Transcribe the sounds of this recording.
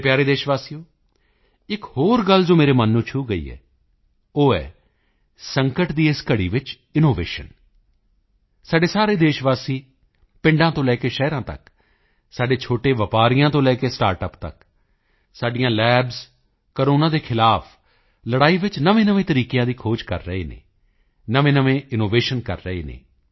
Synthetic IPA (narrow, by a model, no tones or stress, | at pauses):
pjaːɾeːd̪eːʃʋaːsijoː | ɪkhoːɾɡəld͡ʒoːmeːɾeːmənːũːt͡ʃʰuːɡəḭːɛ̰ː | oːɛ̰ː | səŋkəʈd̪iːɪskəɽḭːʋɪt͡ʃ | ɪnoːʋḛːʃə̰n | saːɖeːsaːɾeːd̪eːʃʋaːsiː | pɪ̃ɳɖãːt̪õːlɛːkeːʃɛːɾãːt̪ə̰k | saːɖeːt͡ʃʰoːʈeːʋəpaːɾɪjãːt̪õːlɛːkeːsʈaːɾʈəpt̪ə̰k | saːɖɪjãːlɛːbz | kəɾoːnãːd̪eːkʰɪlaːf | ləɽaːiːʋɪt͡ʃnəʋẽːnəʋẽːt̪əɾiːkejãːd̪iːkʰoːd͡ʒkəɾːəḛːnḛː | nəʋẽːnəʋẽːɪnoːʋeːʃənkəɾːəɦḛːnḛː